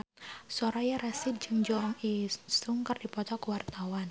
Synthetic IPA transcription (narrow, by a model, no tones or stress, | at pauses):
sɔɾajaɾɛsid͡ʒɨŋd͡ʒɔŋisuŋkərdipɔt̪ɔkəwart̪awan